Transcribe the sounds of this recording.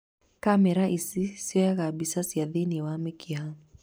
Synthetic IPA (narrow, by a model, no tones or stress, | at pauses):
kamɛɾaʔisisiɔjakabisasiaðiniwamɛkʰia